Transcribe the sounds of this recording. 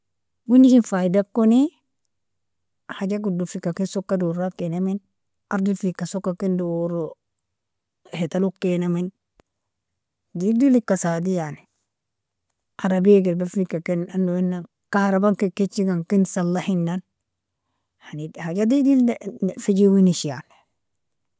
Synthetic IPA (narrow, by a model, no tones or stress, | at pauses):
wunːikinfaidakːoni | had͡ʒaɡudufikːakesokːadoɾakːenamin | aɾdifikːasokːakendoɾo | het̪alukːenamin | didilikːasadijani | ʔaɾabiɡilbafikːakenanːoinːa | kahɾabaŋkiket͡ʃːiɡaŋkinsalːahinːan | hanihad͡ʒadidilfid͡ʒiwiniʃijan